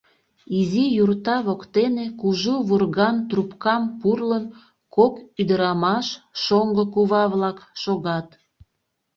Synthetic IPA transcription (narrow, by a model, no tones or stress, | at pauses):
izijurt̪ɑβokt̪enekuʒuβurɣɑnt̪rupkɑmpurlən | kokyd̪əɾɑmɑʃʃoŋɡəkuβɑβlɑkʃoɣɑt̪